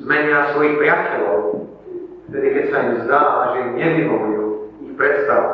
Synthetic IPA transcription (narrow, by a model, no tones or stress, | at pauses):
zmʲɛɲiasvɔjiɣbɾʲjat͡ɕɛlɔw | t̪ɛd̪ɪkɛsaimzd̪aaʒɛjuɲɛvivɔɡliwixpɾɛt̪st̪av